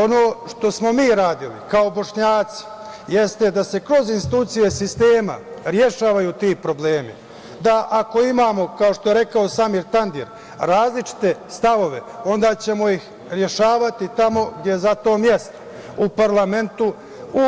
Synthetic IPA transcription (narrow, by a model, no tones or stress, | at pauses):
onoːʃt̪o̞smo̞miːɾaːd̪ilḭkao̞bo̞ʂɲaːt̪si̥ | je̞st̪e̞d̪ase̞kɾo̞zinst̪it̪uːt̪sije̞sist̪eːma̰ɾjeʃaːʋajut̪iːpɾo̞ble̞ːmḭ | d̪aʔako̞imaːmo̞kaoʃt̪o̞je̞ɾe̞kao̞samiːɾt̪and̪iɾ | ɾaːzlit͡ʃi̥t̪e̞st̪aʋo̞ʋe̞o̞nd̪aːt͡ɕe̞mo̞jix | ɾje̞ʃaːʋat̪it̪amo̞ɡd̪jezat̪o̞ːmjest̪o̥ | upaɾlame̞nt̪u | u